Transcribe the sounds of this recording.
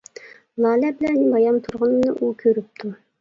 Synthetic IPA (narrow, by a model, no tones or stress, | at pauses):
lˠɑːlɛbɪlɛnbɑjɑmt̪ʰuɾʁənnɨʔukʲʰøɾyp̚t̪ʰu